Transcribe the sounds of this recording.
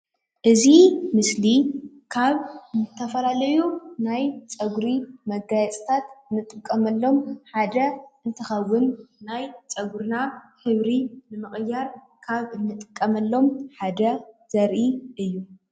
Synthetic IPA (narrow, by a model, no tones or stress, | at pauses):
ʔɨzimɨsli | kʰaβnɨt̪ʰːɐfɐlalɐjunajt͡sʼɐɡɾimɐɡajɛt͡sʼt̪ʰat̪ɨnːɨt̪ʼɨkʼːɐmɐlːo̞mħad̪ɐʔɨnt̪ʰɨxɐwːʊnːajt͡sʼɐɡuɾnahɨβɾinɨmɨχʼɨjːaɾ | kʰaβɨnːɨt̪ʼɨkʼːɐmɐlːo̞mħad̪ɐz̥ɐɾʔiʔɨjːu